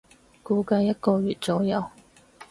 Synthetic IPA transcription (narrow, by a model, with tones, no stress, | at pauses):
kuː˨˧˥kɐ˧jːɐ˥t̚kɔː˧ɥyː˨˩t̚t͡so˨˥wjɐ˨˧w